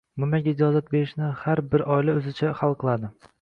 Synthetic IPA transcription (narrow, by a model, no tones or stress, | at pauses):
mʊmaɡʲɪd͡ʒɒzat̪̚be̞ɾɪʃnɪhaɾbɪɾʔɒɪlaɵzɪt͡ʃʰaχalˠqʰɨlˠad̪ɪ